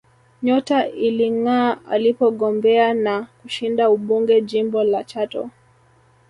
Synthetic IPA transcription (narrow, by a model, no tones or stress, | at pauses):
ɲɔtailiŋaːa̰lipɔɠɔmbɛanakuʃindauɓuŋɡɛʄimbɔlat͡ʃatɔ̰